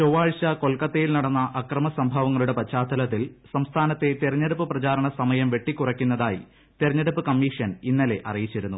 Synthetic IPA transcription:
t͡ɕoʋaːɻɕɐko̞lkɐt̪ːejilnɐɽɐnːɐʔɐkrɐmɐsɐmbʱɐʋɐŋːɐɭuɽe̞pɐt͡ɕːaːt̪ːɐlɐt̪̬ːilsɐmst̪ʰaːnɐt̪ːe̞t̪irɐɲːeɽupːɨprɐt͡ɕaːɾɐɳɐsɐmɐjɐmʋe̞ʈːikʲːurɐkʲːunːɐðaːjḭ | t̪irɐɲːeɽupːɨkɐmːiːʂɐninːɐle̞ʔɐrijit͡ɕːiɾunːu

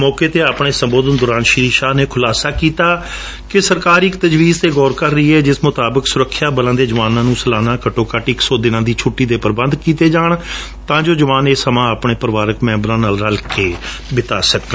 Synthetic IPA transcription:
mɔːkeːt̪eːaːpɳeːsəmboːd̪ənd̪ʊːɾãːnʃɪɾiːʃaːneːkʰʊlaːsaːkiːt̪aː | kɪsəɾkaːɾɪkt̪əd͡ʒʋiːzt̪eːɡɔːɾkəɾːəiːɦɛːd͡ʒɪsmʊt̪aːbəksʊɾəkʰːjaːbəlãːd̪eːd͡ʒəʋaːnãːnũːsəlaːnãːkəʈoːkaʈɪksɔːd̪ɪnãːd̪iːt͡ʃʰʊʈːiːd̪eːpəɾbənd̪kiːt̪eːd͡ʒaːɳ | t̪ãːd͡ʒoːd͡ʒəʋaːneːsəmãːəpɳeːpəɾəʋaːɾəkmɛ̃ːmbɾãːnaːlɾəlkeː | bɪt̪aːsəkː

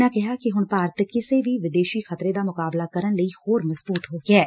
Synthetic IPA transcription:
nãːkɛɦaːkɪɦʊɳpaːɾət̪kɪseʋiːʋɪd̪eːʃiːxʰət̪ɾeːd̪aːmʊkaːblaːkəɾənləiːhoːɾmɐzbuːt̪ɦoːɡɪɛː

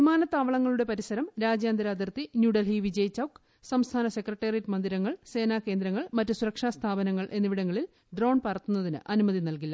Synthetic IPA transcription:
imaːnɐt̪ːaːʋɐɭɐŋːɐɭuɽe̞pɐɾisɐɾɐmɾaːd͡ʑjaːnd̪ɐɾaːd̪ɐrt̪injuːɽɐlɦiʋid͡ʑɐjt͡ɕːɐwk | sɐmst̪ʰaːnɐse̞krɐʈːeːritːmɐnd̪iɾɐŋːɐɭse̞ːnaːke̞ːnd̪ɾɐŋːɐɭmɐtːɨsuɾɐkʂaːst̪ʰaːbɐnɐŋːɐɭʔe̞nːiʋiɽɐŋːɐɭil | ɖro̞ːɳpɐrɐt̪ːunːɐðinɨ̰ʔɐnumɐðinɐlkilːɐ

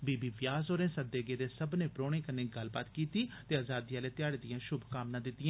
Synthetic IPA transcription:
biːbiːʋjaːsoːɾẽːsəd̪eːɡeːd̪eːsəbnẽːpɾoːɽ̃eːkənẽːɡəlba̰ːt̪kiːt̪iːt̪eːaːzaːd̪iːaːleːt̪ɪjaːɽed̪ɪjãːʃʊbʱkaːmnãːd̪ɪt̪ːɪjãː

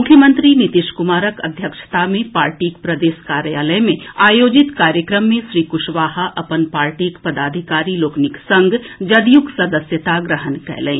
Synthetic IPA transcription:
ʊkʰːjəmə̃nt̪ɾinɪt̪ɪʃkʊmaːɾəkɐ̰d̪ʱjəkʃə̥t̪ʰamẽpaːɾʈiːkpɾɐd̪eːʃkaːɾjaːləjmẽaːjoːd͡ʒɪt̪kaːɾjəkɾəmːẽsɾiːkʊʃʋaːɦaʔɐpənpaːɾʈiːkpɐd̪aːd̪ʱikaːɾiloːknɪksɐ̃ŋɡʱd͡ʒɐd̪juksɐd̪əsjət̪aɡɾəɦənkɛ̰ɦlḛ̃ː

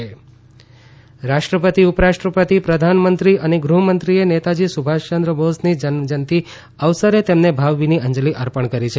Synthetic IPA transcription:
ɾaʃʈɾəpət̪iʊpɾaʃʈɾəpət̪ipɾəd̪ʱanmənt̪ɾiʔəneɡɾuɦəmənt̪ɾienet̪ad͡ʒisubʱaʃt͡ʃənd̪ɾəbosnid͡ʒəd͡ʒənt̪i | əʋsəɾet̪emnebʱaʋːiniəɲd͡ʒəliʔəɾpəɳkəɾit͡ʃʰe

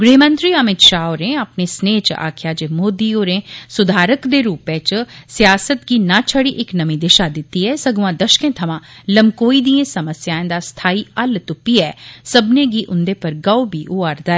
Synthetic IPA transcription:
ɡɾiɦmə̃nt̪ɾiːəmɪt̪ʃaːoɾẽːəpneːsneːt͡ʃa̰ːkʰjaːd͡ʒeːmoːd̪iːoːɾẽːsʊd̪ʱaːɾəkd̪eːɾuːpẽːt͡ʃsɪjaːsət̪ɡiːnãːt͡ʃʰəɽiʔɪknəmĩːd̪eʃaːd̪ɪt̪ːiːɛːsəɡʋãːd̪əʃkẽːt̪ʰəmãːləmkoːiːd̪iːẽːsəməsjaːẽːd̪aːst̪ʰaːiːəlt̪ʊpiɛːsəbnẽːɡiːʔʊnd̪eːpəɾɡaobiːʔʊaːɾd̪aːɛː

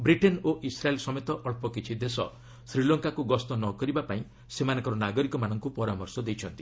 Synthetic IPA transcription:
bɾiʈenoʔisɾaelsɔmet̪ɔʔɔɭpɔkit͡ʃʰid̪esɔ̰ | sɾilɔŋkakuɡɔst̪ɔnɔkɔɾibapaĩ | semanɔ̃ŋkɔɾɔnaɡɔɾikɔmanɔŋkupɔɾamɔɾsɔd̪ejt͡ʃʰɔnt̪i̥

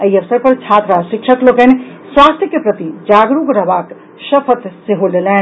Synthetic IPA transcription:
əiəʋsəɾpəɾt͡ʃʰaːt̪ɾaʃɪkʃʰəklokɛnswaːst̪ʰjəkepɾət̪id͡ʒaːɡɾukɾəɦbaːk | səpʰət̪seɦolelɛːn

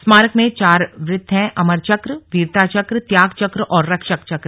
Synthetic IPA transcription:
smaːɾəkmẽt͡ʃaːɾʋɾɪd̪ʱːɦɛ̃ʔɐməɾt͡ʃɐkɾʋiːɾt̪aːt͡ʃɐkɾt̪jaːɡt͡ʃɐkɾʔɔːɾːɐkʃəkt͡ʃɐkɾ

